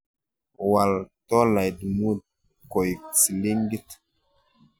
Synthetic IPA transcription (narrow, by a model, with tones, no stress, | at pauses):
wa˨ltɔ˦la˨jdmu˦d̚ | kɔ˨jt͡si˨li˦ŋɡi˦t